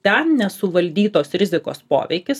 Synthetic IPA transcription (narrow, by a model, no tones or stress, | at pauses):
t̪ʲɛnnʲɛsʊʋɐlʲd̪ʲiːt̪oːsɾʲɪzʲɪko̰ːspo̰ːʋʲɛ̰ɪkʲɪs